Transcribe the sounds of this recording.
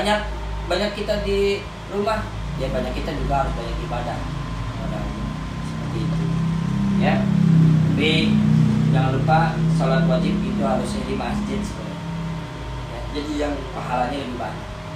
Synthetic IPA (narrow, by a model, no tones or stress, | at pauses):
aɲak̚ | baɲakːit̪adi | rumah | jabaɲakːit̪adiluarbaɲakibadah | ka̰da̰ | səpərt̪iːt̪u | ja | be | daŋanlupasalat̪uwad͡ʒɪp̚ɡit̪uɦaɾʊsadibaast̪ɪt̪sə̥kula̰ | jad͡ʒadijaŋpaɦalaɲaɡaniba̰n